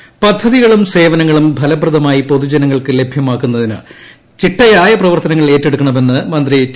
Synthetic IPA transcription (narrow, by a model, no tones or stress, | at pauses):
pɐd̪ʱːɐðiɣɐɭumse̞ːʋɐnɐŋːɐɭumbʱɐlɐbrɐðɐmaːjipo̞ðud͡ʑɐnɐŋːɐɭkɨle̞bʱjɐmaːkːunːɐðinɨ̰ | t͡ɕiʈːɐjaːjɐprɐʋɐrt̪ɐnɐŋːɐɭe̞ːtːe̞ɽukːɐɳɐme̞nːɨmɐnd̪ri